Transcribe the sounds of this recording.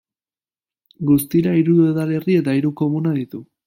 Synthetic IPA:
ɡust̪iɾaiɾuue̞ðale̞rie̞t̪aiɾuko̞munaðit̪u

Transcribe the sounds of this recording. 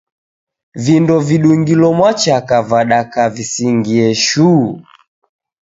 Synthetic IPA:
vindɔviɗuŋɡilɔmwat͡ʃakavaɗakavisiŋɡiɛʃuː

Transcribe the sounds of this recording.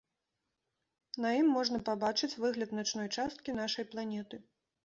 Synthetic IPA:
nɐjimːɔʐnɐpabat͡ʂɨt͡sʲvɨɣlʲɐd̪nɐt͡ʂnɔjt͡ʂast̪̚kʲin̪aʂɐjplˠanʲɛt̪ɨ

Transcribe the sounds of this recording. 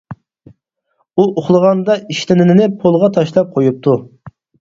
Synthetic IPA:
uʔoχlˠəʁɑnd̪ɑiʃlɪnɪnɪnɪpʰolˠʁɑt̪ʰɑʃlˠɑp̚qʰojup̚t̪ʰu

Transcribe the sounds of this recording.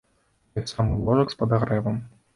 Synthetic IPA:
ɐsamɨlˠɔʐɐkspɐd̪aɣɾɛvɐm

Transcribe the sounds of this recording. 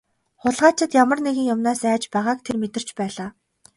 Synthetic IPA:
χʊɮʁaːt͡ɕʰɪ̆t̪jamə̆rneɣɘ̆ŋjʊmnaːsæːt͡ɕpæʁaːk̚t̪ʰermet̪ɘ̆r̥t͡ɕpæːɮaː

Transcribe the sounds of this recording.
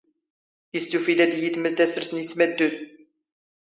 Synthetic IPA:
jəst̪ufilæd̪jət̪məlt̪æsəɾsənəsmæd̪ːud̪

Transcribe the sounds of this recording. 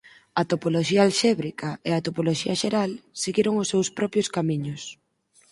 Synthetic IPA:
ɐt̪opoloʃiaalʃɛβɾikaeat̪opoloʃiɐʃeɾalseɣiɾoŋʊsːewspɾɔpɾjoskamiɲʊs

